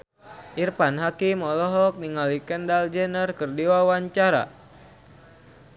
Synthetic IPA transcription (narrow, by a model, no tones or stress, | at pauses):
ʔirpanɦakimɔlɔɦɔk̚niŋalikəndald͡ʒɛnərkɨrdiwawaɲt͡ʃaɾa̰